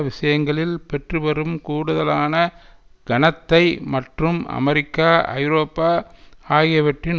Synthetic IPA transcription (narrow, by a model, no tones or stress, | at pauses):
ʋɪʂɐjɐŋɡɐɭɪlpɛʈrɯʋɐɾɯmkuːɽɯðɐlaːnɐɡ̥ɐnɐt̪ːɐɪmɐʈrɯmɐ̰mɐɾɪkːaːɐ̰ɪɾoːpːaːaːɣɐʋɐʈrɪn